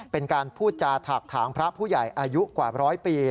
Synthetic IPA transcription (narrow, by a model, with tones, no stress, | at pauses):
pe˧nkaː˧npʰuː˥˩t̪̚t͡ɕaː˧t̪ʰaː˨˩k̚t̪ʰaː˩˦ŋpʰɾa˦˥pʰuː˥˩ja˨˩jʔaː˧ju˦˥kwaː˨˩ɾɔː˦˥jpiː˧